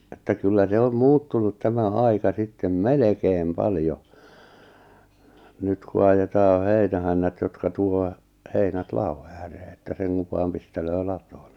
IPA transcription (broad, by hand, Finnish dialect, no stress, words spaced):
etːæ kylːæ se om muːtːunut tæmæ ɑikɑ sitːem melekeːm pɑljo nyt ku ɑjetɑː heinæhænːæt jotkɑ tuo heinæt lɑo æːreː etːæ seŋkuʋ ʋɑːm pisteløː lɑtoːn̥ ne̥